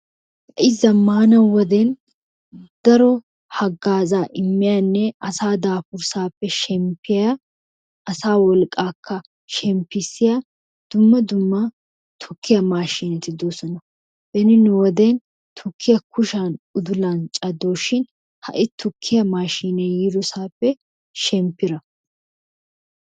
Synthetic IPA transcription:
ɐʔɪzːɐmaːnɐwɔd̪ɛn | d̪̥ɐɾɔ | hɐɡaːzaːʔɪmːɪjanːɛɐsaːd̪aːfʊɾsaːpːɛʃɛmpːɪja | ʔɐsaːwɔlkʼːaːkʰːɐ | ʃɛmpːɪsːɪja | d̪̥ʊmːɐd̪ʊmːɐ | t̪ʰʊkːɪjɐmaːʃiːnɛt̪ɪd̪oːsɔnɐ | b̥ɛnɪnʊwɔd̪eːn | t̪ʰʊkʰːɪjɐkʊʃanʊd̪ʊlɐnt͡ʃʼɐd̪ːoːʃːɪn | hɐ̰ʔɪt̪ʰʊkʰːɪjɐmaːʃiːnɛjɪd̪ʊsaːpːɛ | ʃɛmpːɪɾɐ

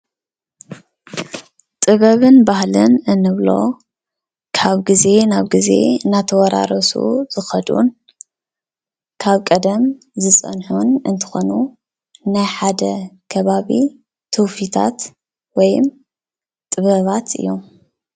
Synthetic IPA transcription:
t̪ʼɨβɐβɨnbahlɨ̰nɨnːɨβlo̞̰ | kʰaβɡize̞naβɡize̞̰nat̪ʰɐwɔɾʔa̰ɾɐsṵz̥ɨxɐd̪ṵn | kʰaβkʼɐd̪ɐm | zɨsʼɐ̰nħunɨnt̪ʰɨ̥xo̞nu | najħad̪ɐkʰɐβaβi | t̪ʰuwfit̪ʰa̰t̪ | wɔjɨm | t̪ʼɨβɐβat̪ʰɨ̰jːo̞m

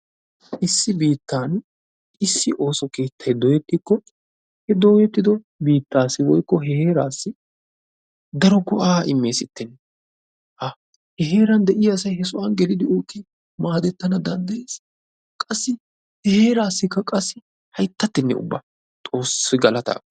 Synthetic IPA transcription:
ʔɪsːɪbiːt̪ːaːn | ɪsːɪʔo̞ːsɔke̞ːt̪ʰːɐjd̪ɔːjɛt̪ːɪkːɔ | hɛd̪o̞ːjɛt̪ːɪd̪ɔ | biːt̪ːaːsːɪwɔjkːɔɦɛhe̞ːɾaːsːɪ | d̪ɐɾɔɡɔʔaːʔɪmːe̞ːsɪt̪ːɪnː | ʔɐ | hɛɦe̞ːɾɐnd̪ɛʔɪjaːsɐjhɛsʊʔɐnɡɛlɪd̪ɪoːkːɪ | maːd̪ɛt̪ːɐnɐd̪ɐnd̪ɐjeːs | kʼɐsːɪ | hɛhe̞ːɾaːsːɪkːɐkʼɐsːɪ | hɐjt̪ːɐt̪ːɪnːɛ̰ʊ̰bːɐ̰ | t̪ʼo̞ːsːɪɡɐlɐt̪a̰ːkʼː

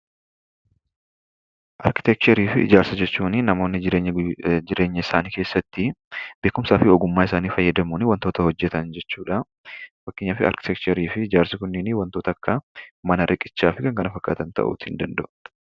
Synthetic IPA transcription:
ʔɐ̰ɾkɪ̥t̪ɛk̚t͡ʃɐɾiːfɪɪ̰d͡ʒaːɾsɐd͡ʒɛt͡ʃːuːnɪnɐmo̞ːnːɪɪɾeːɲːd͡ʒɪɾʔe̞ːɲːɐɪsaːniːke̞ːsːɐt̪ːɪbeːkʊmsaːfɪɔɡʊmːaːɪsaːniːfɐjːɐd̪ɐmuːnɪwɐnt̪o̞ːt̪ɐhɔd͡ʒːɛt̪ɐnd͡ʒɛt͡ʃːuːᶑɐ | fɐkːɪɲːaːfɪɐ̰ɾkɪ̥t̪ɛk̚t͡ʃɐɾiːfɪɪd͡ʒaːɾsɐkʊnːɪniwɐnt̪o̞ːt̪ɐkːɐmɐnɐɾʔɪkʼɪt͡ʃːaːfɪkɐŋkɐnɐfɐkːa̰ːt̪ɐnt̪ɐ̰ʔṵːt̪hɪ̰nd̪ɐnd̪ɐʔʊ̥

